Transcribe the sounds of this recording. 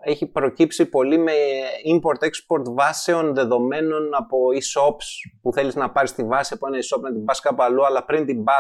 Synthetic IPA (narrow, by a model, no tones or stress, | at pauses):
e̞çipɾo̞cipsipo̞lime̞impo̞ɾt̪e̞kspo̞ɾt̪vɐse̞o̞nðe̞ðo̞me̞no̞nɐpo̞iso̞pspuθe̞liznɐpɐɾist̪ivɐsiɐpoenɐiso̞pnɐt̪imbɐskɐpɐluɐlɐpɾint̪imbɐ